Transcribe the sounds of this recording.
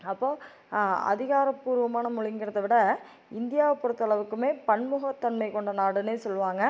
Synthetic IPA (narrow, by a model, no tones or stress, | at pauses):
ɐpːoː | ɐ̰ðɪɣaːɾɐpːuːɾʋɐmaːnɐmʊɭɪŋɡɪɾɐðɐʋɪɽɐ | ɪnd̪ɪjaːpːɔɾɯt̪ːɐɭɐʋɯkːɯmeːpɐɳmʊɣɐt̪ːɐnmɐɪkɔɳɖɐnaːɽɯneːsɔlːɯʋaːŋɡɐ